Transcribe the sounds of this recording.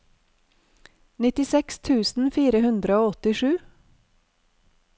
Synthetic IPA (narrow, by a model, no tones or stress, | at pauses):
nɪt̪ɪsɛkst̪ʰʉːsn̩fiːɾəhʉnd̪ɾəoːɔt̪ɪʃʉː